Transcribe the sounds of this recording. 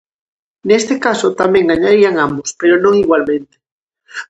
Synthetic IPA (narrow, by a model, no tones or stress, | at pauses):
nest̪ekasot̪amẽŋɡaɲaɾiaŋambʊspeɾonõŋiɣwalmẽnt̪e̥